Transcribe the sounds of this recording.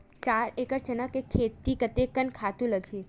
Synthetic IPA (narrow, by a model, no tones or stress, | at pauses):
t͡ʃaːɾeːkəɾt͡ʃɐnəkekʰeːt̪ikɐt̪ekənkʰaːt̪ũlɐɡʱiː